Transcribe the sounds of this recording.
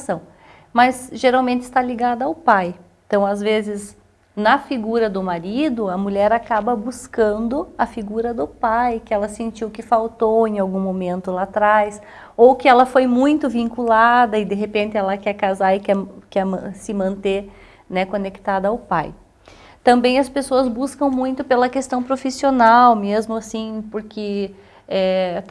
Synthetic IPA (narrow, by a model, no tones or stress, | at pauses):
sɐ̃w̃ | mɐzʒeɾawmẽnt̪ɪ̥st̪aliɡad̪ɐawpajẽt̪ɐ̃w̃azvezɪz | nɐfiɡuɾɐd̪ʊmaɾid̪ʊɐmuʎɛɾakabɐbuskɐ̃nd̪ʊɐfiɡuɾɐd̪ʊpajkɪɛlɐsẽnt͡ʃiwkɪfawt̪owẽawɡũmomẽnt̪ʊlat̪ɾajs | owkɪɛlɐfojmũj̃t̪ʊvĩŋkulad̪ɐɪd̪eɦepẽnt̪ɪɛlɐkɛɾkazaɪkɛkɛmɐ̰̃sɪmɐ̃nt̪e | nɛkonekt̪ad̪ɐawpaj | t̪ɐ̃mbẽj̃ɐspesoɐzbuskɐ̃w̃mũj̃t̪ʊpelɐkest̪ɐ̃w̃pɾofisionawmezmʊasĩpoɾkʰɪ | ɛ